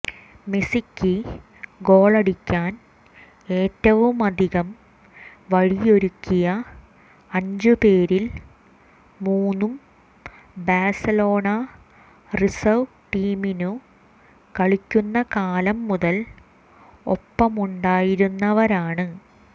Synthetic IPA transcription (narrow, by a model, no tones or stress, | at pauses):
mesikʲːi | ɡo̞ːɭɐɽikʲːaːn | e̞ːtːɐʋumɐd̪ʱiɣɐm | ʋɐɻijo̞ɾukʲːijɐ | ɐɲd͡ʑɨpe̞ːɾil | muːnːum | baːsɐlo̞ːɳɐ | risɐw | ʈiːminu | kɐɭikʲːunːɐkaːlɐmːuðɐl | o̰pːɐmuɳɖaːjiɾunːɐʋɐɾaːɳɨ